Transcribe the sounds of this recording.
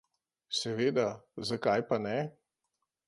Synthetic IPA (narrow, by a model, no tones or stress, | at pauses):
sɛʋeːd̪azakajpanɛ